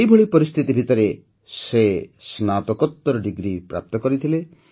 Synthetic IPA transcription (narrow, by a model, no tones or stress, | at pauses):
ejbʱoɭipɔɾist̪ʰit̪ibʱit̪ɔɾe | sesnat̪ɔkɔt̪ːɔɾɔɖiɡɾipɾa̰p̚t̪ɔkɔɾit̪ʰile